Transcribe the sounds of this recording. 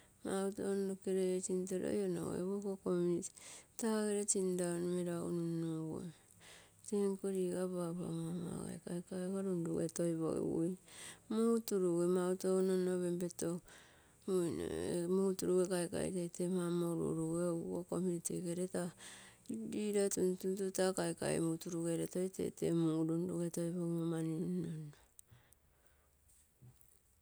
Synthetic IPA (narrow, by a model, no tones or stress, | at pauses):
mautonokeɾet͡ʃintoɾo̰jona̰o̰ḛβokokomuniti̥taɡeɾet͡ʃindanomeɾaṵnunoɡo̰ | teŋkoɾiɡaβaβa̰mama̰ɡa̰ekaekaekaɾunduetojβo̰ɡḭwṵjmutuɾuɡemautononoβembeto | mun̰mutuɾuɡekajka̰ḭtejtemamoɾṵɾuɡeokomunitikeɾeta | ɾiɾatuntuntutakajka̰ḛmutuɾuɡeɾeto̞jtḛtḛmuɾunduɡetojβoɡmomaniunono